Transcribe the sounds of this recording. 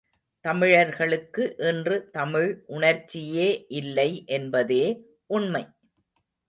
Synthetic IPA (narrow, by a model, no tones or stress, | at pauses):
t̪ɐmɪɻɐɾɣɐɭɯkːɯʔɛndrɯt̪ɐmɪɻʔʊɳɐɾt͡ʃːɪjeːʔɪlːɐɪʔɛnbɐðeː | ʔʊɳmɐɪ